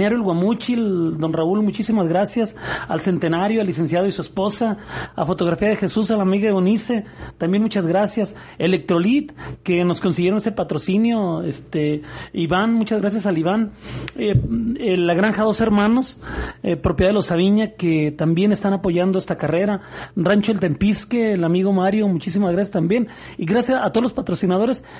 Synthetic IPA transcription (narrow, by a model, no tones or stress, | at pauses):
aɾjoelɣwamut͡ʃild̪o̞nraulmut͡ʃisimazɣɾasjasa̰lse̞nt̪enaɾjoalːise̞nsjaðoisuespo̞saa̰fo̞t̪o̞ɣɾafiaðe̞xe̞susalamiɣaeonise̞t̪ambje̞nmut͡ʃazɣɾasjas | ele̞k̚t̪ɾo̞lit̪ke̞no̞sko̞ns̬iɣjeonesepat̪ɾo̞sinjo̞est̪eiβanmut͡ʃazɣɾas̬jasaliβaneelaɣɾaŋxaðo̞se̞ɾmãno̞sepɾo̞p̬jðaðelosaβiɲaket̪ambje̞ne̞st̪anapo̞ʝand̪oe̞st̪akare̞ɾarant͡ʃoelt̪e̞mpiskeːlamiɣo̞maɾjo̞mut͡ʃis̬imazɣɾasjast̪ambje̞n | iɣɾasjasat̪olospat̪ɾo̞sinað̞o̞ɾe̞s